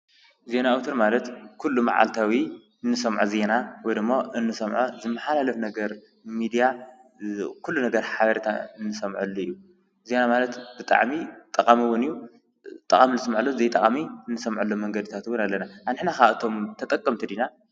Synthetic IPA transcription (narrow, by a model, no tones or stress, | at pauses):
ze̞naːwt̪ʰoɾmalɐt̪kʰulːuma̰ʕa̰lt̪ʰawi | ɨnːɨsɐmʕuze̞nawɔjd̪ɨmːoʔɨnːɨsɐmʕuzɨmːɐħalalɐfnɐɡɐɾ | mid̪ija | kʰulːunɐɡɐɾħaβɐɾt̪ʰa̰ɨnːɨsɐmʕulːoijːu | ze̞namalɐt̪b̥ɨt̪ʼa̰ʕmit̪ʼɐqʼamɨwːʊnɨjːu | t̪ʼɐkʼaminɨsmaʕulːozejt̪ʼɐχʼamiɨnːɨsɐmʕulːomɐŋɡɐd̪ɨt̪ʰat̪ɨwːʊnalːɐnaanɨħnakaʔɨt̪ʰo̞mt̪ʰɐt̪ʼɐkʼːɐmt̪ʰid̪ina